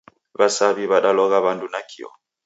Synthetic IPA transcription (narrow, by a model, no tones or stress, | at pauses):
βasaβiβaɗalɔɣaβandunakʰiɔ̰